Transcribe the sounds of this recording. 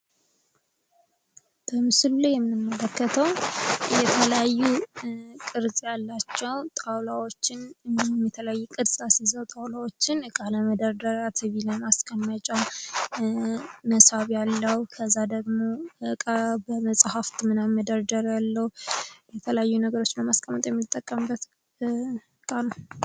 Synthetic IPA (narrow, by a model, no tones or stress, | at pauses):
b̥əmɨsɨlulajɛmːɨmːələkːət̪ʰəwjɛt̪ʰələjajːukʼɨɾzʼjalːat͡ʃːɛwt̪ʼawlawo̞t͡ʃːɪnɨihumjɛt̪ʰələjajːukʼɨɾsʼasizəwt̪ʼawlawot͡ʃːɪnkʼaləməd̪əɾd̪əɾat̪ʰɨβiləmaskʼənːət͡ʃʼa | məshaβjalːəhukʰəzːad̪əɡmo̞kʼabəməsʼhaft̪ʰʼmɨnaməd̪əɾd̪əɾjalːəhjɛt̪ʰələjajːunəɡəɾo̞t͡ʃːnəmaskʼəmːət̪ʼjɛmːit̪ʼːəkʼːəmbːət̪ | kʼanə